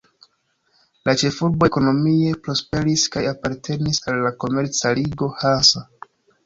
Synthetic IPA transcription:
lat͡ʃe̞fuɾbo̞eko̞no̞mie̞pɾo̞spe̞ɾiskajapaɾtʰe̞nisalːako̞me̞ɾt͡saliɡo̞hasa

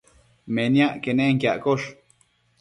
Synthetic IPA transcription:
menjaʔkeneʔeŋkjaʔkoʂ

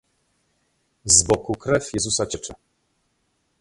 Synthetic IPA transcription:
zbɔkukɾɛfʲjɛzusat͡ɕɛt͡ʂɘ

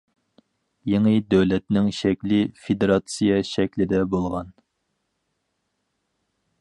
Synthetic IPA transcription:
jeŋɨd̪øwlɛt̪nɪŋʃɛkʲlɪfed̪eɾɑt̪sɨjɑʃɛkʲlɪd̪ɛbolˠʁɑn

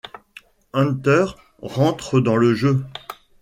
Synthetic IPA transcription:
ɛ̃nt̪œʁ | ʁɑ̃t̪χəd̪ɑ̃ləʒø

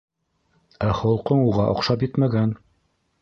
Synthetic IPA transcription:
æχŏlˠqɤɴuʁɑʔŏ̰qʃɑpjɘt̪mæɡæn

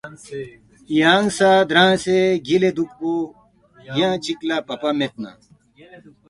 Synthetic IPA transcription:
jaːŋɡsad̪ɾãːseɡiled̪ukko | jãːt͡ɕiklapɐpɐmet̪̚na̰

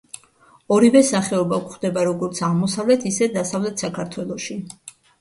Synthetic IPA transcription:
ɔɾivɛsaχɛɔbakχd̪ɛbaɾɔɡɔɾt̪sʰaʁmɔsavlɛt̪ʰisɛd̪asavlɛt̪ʰsakʰaɾt̪ʰwɛlˠɔʃi

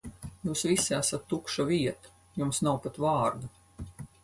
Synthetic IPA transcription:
juːsvisiæsat̪ːukʃaviɛt̪ḁ | jumsnawpat̪vaːɾd̪u

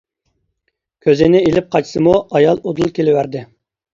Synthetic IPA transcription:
kʲʰøzɪnɪelɪp̚qʰɑt͡ʃʰsɨmuɑjɑlˠod̪ulˠkʲʰelɪwæɾd̪ɪ

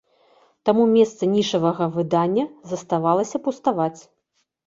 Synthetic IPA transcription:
t̪amumʲɛst̪sɐnʲiʂɐvɐɣɐvɨd̪anʲːɐzɐst̪avalˠɐsʲɐpust̪avat͡sʲ

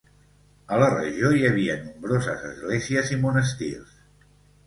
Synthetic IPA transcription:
ələrə̰ʒojəβ̞iənumbɾozəzəzɣleziəzimunəst̪ḭrs

